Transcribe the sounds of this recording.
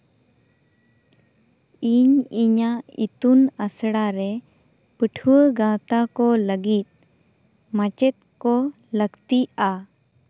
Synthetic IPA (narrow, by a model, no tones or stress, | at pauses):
iɲiɲaḭt̪unəsɽaɾɛ | pəʈʰuwəɡãt̪akɔləɡit̪̚ | mãt͡ʃɛt̪̚kɔ | ləkt̪ia